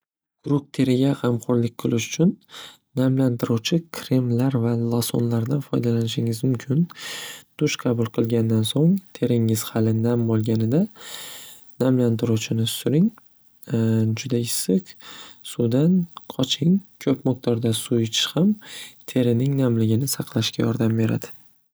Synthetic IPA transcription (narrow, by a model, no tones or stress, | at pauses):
ɡ̥ʊɾʊk̚t̪ʰe̞ɾɪɡʲahɑmqʰoɾlɪk̚ʲqʰɨlˠɪʃʊ̥t͡ʃʰʊnː | amlant̪ʰɪɾuwt͡ʃʰɪkʰɾɪmlaɾvalˠɒso̰nlaɾd̪anfɒjd̪alanɪʃɪŋɪzmʊmkʲʰɪnd̪̥ʊʃqʰɑbʊlˠqʰɨlˠɡʲand̪ansoŋt̪ʰe̞ɾɪŋɪz̥hɑlɪnambolˠɡʲanɪd̪a | namlant̪ʰɪɾut͡ʃʰɪnɪsʊɾɪŋ | d͡ʒʊd̪aɪsːɪqsud̪anqʰɒt͡ʃʰɪŋkʲʰɵpmok̚t̪ʰɒɾd̪asuɪt͡ʃʰɪ̥ʃhamt̪ʰe̞ɾɪnɪŋnamlɪɡʲɪnɪsɑqʰlˠaʃkʲajɒɾd̪ambe̞ɾa̰d̪ɪ̥